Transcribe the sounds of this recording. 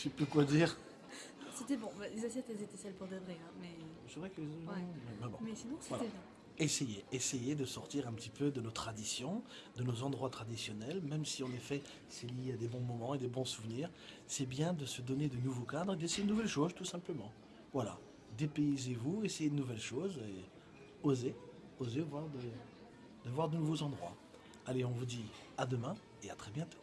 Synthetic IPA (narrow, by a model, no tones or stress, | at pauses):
ʃepøkwad̪iːʁ | set̪ɛbɔ̃balezasjɛt̪ɛlzet̪ɛsɛlpuʁd̪əvʁeɛ̃mɛ | sɛvʁɛkəizɛɛmɛ̃bɔ̰̃mɛsinɔ̃sevwalaɛɛ̃ | esejeːsejed̪əsɔʁt̪iʁɛ̃pət̪ipød̪ənot̪χad̪isjɔ̃d̪ənozɑ̃d̪ʁwat̪χad̪isjɔnɛlmɛmsiɑ̃nefɛ | sɛlijead̪ebɔ̃mɔmɑ̃ed̪ebɔ̃suvniːʁ | sɛbjɛ̃d̪əsəd̪ɔned̪ənuvokad̪ʁed̪esejed̪ənuvɛlʃozt̪usɛ̃pləmɑ̃ | vwala̰ | d̪epeizevuesejed̪ənuvɛlʃoze | oze | ozevwaʁd̪ə | d̪əvwaʁd̪ənuvozɑ̃d̪ʁwa̰ | aleɔ̃vud̪i | ad̪əmɛ̃ | eat̪χɛbjɛ̃t̪o̥